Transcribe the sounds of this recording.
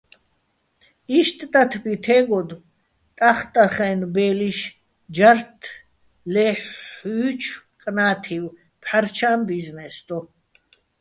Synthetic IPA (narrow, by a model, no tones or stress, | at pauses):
iʃt̪ʼt̪ʼat̪ʰbit̪ʰɛɡɔd̪ | t̪ʼaχt̪ʼaχɛːnbɛːliʃ | d͡ʒaɾt̪ʰ | lɛħyːt͡ʃʰkʼnaːt̪ʰiw | pʰħaɾt͡ʃʰaːmbiznɛsd̪ɔ